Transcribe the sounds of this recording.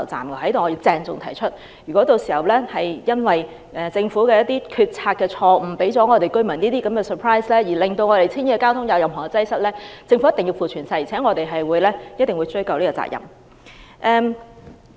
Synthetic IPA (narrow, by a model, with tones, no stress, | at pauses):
wt͡sa̰ː˨˩mɡɛ˧˩hɐ˨˥jt̪o˨wŋɔ˨˧jiː˧wt͡sɛː˧ŋt͡sʊ̰˨ŋt̪ʰɐ˨˩jt͡ʃʰɵ˥t̚ | jyː˨˩kɔ˨˥t̪o˧wsiː˨˩hɐ˨˩wlɛː˥hɐ˨jjɐ˥nwɐ˨j | ʔɛ˨˧t͡sɪ˧ŋfuː˨˥kɛː˧jɐ˥t̪̚iː˥kʰyː˧t̚t͡sʰaː˧t̚kɛː˧t͡ʃʰɔː˧m̩˨˩pe˨˥jt͡sɔː˨˥ŋɔː˨˧t̪e˨jkɵ˥ɥmɐ˨˩niː˥t̪iː˥kɐ˨˦mkɛː˧səː˨˩pʰɹaː˥jslɛː˥jiː˨˩lɪ˨˩ŋt̪o˧wŋɔː˨˧ɾe˨˩jt͡sʰiː˥niː˧kɛ˧kaː˥wt̪ʰʊ˨˥ŋjɐ˨˧wjɐ˨mɦɔː˨˩ŋkɛ˧t͡sɐ˥jsɐ˥t̚lɛː˥t͡sɪ˧ŋfu˨˧˥jɐ˥t̪ɪ˨ŋji˧wfuː˨t͡ʃʰyː˨˩nsɐ˧jt͡sʰɛː˨˥ŋɔː˨˧t̪e˨jɦɐ˨jwuː˨˧jlɛː˥jɐ˥t̚t̪ɪ˨˩ŋwu˨˧jt͡sɵ˥jkɐ˨wliː˥kɔː˧t͡sa̰ː˧˩kjɐ̰˨˩m | ʔɛː˧m